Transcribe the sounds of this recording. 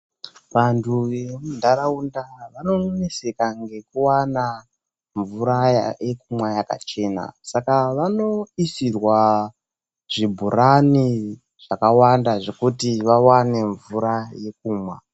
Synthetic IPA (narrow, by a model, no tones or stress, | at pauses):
ʋantʰuʋe̞mundaɾaundaʋano̞ne̞se̞kaŋɡe̞kuwana | ɱvuɾajajekumwajaka̰t͡ʃe̞na̰sakaʋano̞isirwa | ʐ̥ibʱuɾani | ʐ̥akawandaʐo̞kutiʋawane̞ɱvuɾaje̞k̚uːmwa